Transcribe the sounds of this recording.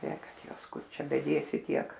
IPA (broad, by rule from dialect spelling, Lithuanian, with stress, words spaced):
eː ˈkɐt ˈjuɔs ˈkʊr ˈt͡ʃʲɛ bʲɛˈdʲeːsʲɪ ˈtʲiɛk